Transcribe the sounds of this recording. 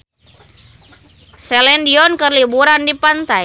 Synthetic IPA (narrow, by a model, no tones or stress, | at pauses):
sɛlɛndiɔnkəɾlibuɾandipant̪aj